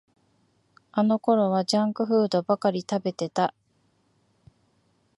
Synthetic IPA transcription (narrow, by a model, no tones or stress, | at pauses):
ano̞ko̞ɾo̞β̞ad͡ʑãŋkɯ̟ɸɯ̟ːd̪o̞bakaɾʲit̪abe̞t̪e̞t̪a